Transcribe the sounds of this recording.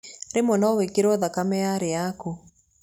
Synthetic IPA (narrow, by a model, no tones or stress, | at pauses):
ɾemɔnɔwekeɾɔðakamɛaɾeako